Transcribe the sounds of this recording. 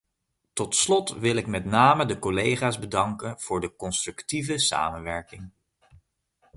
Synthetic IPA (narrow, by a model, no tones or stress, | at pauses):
tɔtslɔtʋɪlɪkmɛtnaːmədəkɔlejχaːzbədɑŋkənv̥ʊːɹdəkɔnstrʉktivəsa̰ːmənʋɛɹkɪŋ